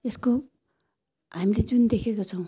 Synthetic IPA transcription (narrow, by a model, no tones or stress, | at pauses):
esko | ɦamiled͡zund̪ekʰekot͡sʰʌw̃